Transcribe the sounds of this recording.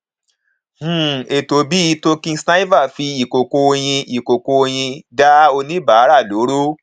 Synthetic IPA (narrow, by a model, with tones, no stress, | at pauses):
h̩˦˨e˨to˧bi˦˧˦to˧kĩ˦sna˦i˦va˦˨fi˧i˨ko˨ko˧o˧j̃ĩ˧i˨ko˨ko˧o˧j̃ĩ˧da˦o˧nĩ˦ba˨˦ɾa˦˨lo˨˦ɾo˦